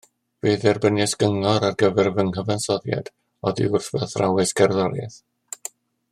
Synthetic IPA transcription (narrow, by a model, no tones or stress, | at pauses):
reðɛrbənjɛsɡəŋɔɾarɡəvɛrvəŋɦəvansɔðja̰d̥ | ɔðḭʊrθvɛθrawɛsɡɛrðɔɾja̰θ